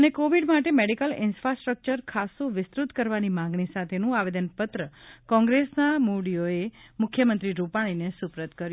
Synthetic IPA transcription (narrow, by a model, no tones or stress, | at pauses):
ənekoʋiɖmaʈemeɖikəlɪnfɾasʈɾək̚t͡ʃəɾkʰasoʋɪst̪ɾut̪kəɾʋanimãŋɡɳisat̪ʰenũaʋed̪ənpət̪ɾəkɔ̃ŋɡɾesnamuɽijoemʊkʰjəmənt̪ɾiɾupaɽ̃inesupɾət̪kəɾju